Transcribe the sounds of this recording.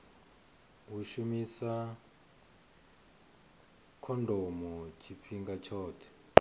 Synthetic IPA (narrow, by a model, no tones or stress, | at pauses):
wuʃumisa | kʰɔndʱɔmɔt͡ʃʰipiŋɡat͡ʃʰɔːtʰɛ̥